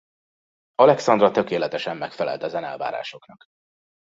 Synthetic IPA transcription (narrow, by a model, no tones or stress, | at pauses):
ɒlɛksɒnd̪rɒt̪økeːlɛt̪ɛʃɛmːɛkfɛlɛ̰lt̪ɛzɛnɛ̰lva̰ːɾa̰ːʃo̞knɒk